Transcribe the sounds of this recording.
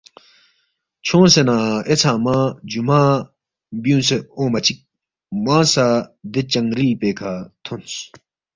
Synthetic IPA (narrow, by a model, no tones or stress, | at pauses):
t͡ɕʰõːsenaːet͡sʰãːmãd͡ʑumaː | bijũːnseoːmɐt͡ɕʰik̚ | mãːsad̪et͡ɕɐŋɡɾiːpeːkʰaːt̪ʰons